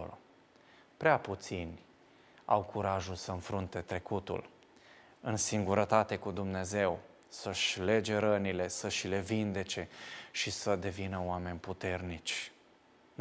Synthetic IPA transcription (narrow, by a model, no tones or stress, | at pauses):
pɾeaput̪sinʲ | a̰wkʰuɾaʒulsəɨnfɾunt̪e̞t̪ɾe̞kut̪ṵl | ɨnsiŋɡuɾət̪at̪e̞kud̪umne̞ze̞w | səʃʲle̞d͡ʒe̞ɾənile̞səʃle̞vind̪e̞t͡ʃe̞ʃisəd̪e̞vinəoame̞nʲput̪e̞rnit͡ʃʲ